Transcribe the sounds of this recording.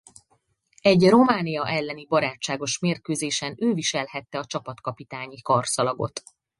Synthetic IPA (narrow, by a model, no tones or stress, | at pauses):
ɛɟro̞maːnijɒʔɛlːɛnibɒɾaːt͡ʃt͡ʃːaːɡo̞ʃmeːrkøːzeːʃɛnøːviʃɛlhɛt̪ːɛɒt͡ʃɒpɒt̪kɒpit̪aːɲikɒrsɒlɒɡo̞̰t̪